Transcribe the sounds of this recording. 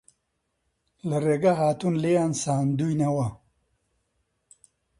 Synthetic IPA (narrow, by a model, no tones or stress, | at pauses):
lɐreːɡaɦaːt̪unlejaːnsaːnd̪ujnɐwɐ